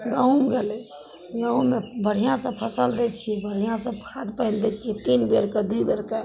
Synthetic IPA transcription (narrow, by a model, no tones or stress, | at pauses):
ɡə̃ɦũmɡelɛ | ɡə̃ɦũmebəɽ̤ijãsə̃pʰəsəld̪ɛt͡ʃʰibəɽ̤ijãsə̃bkʰad̪pəɪnd̪ɛt͡ʃʰit̪inbeɾked̪uibeɾkə